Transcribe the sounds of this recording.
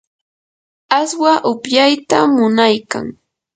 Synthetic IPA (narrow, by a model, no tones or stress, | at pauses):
aswaʔʊpjajt̪amʊnajka̰ŋ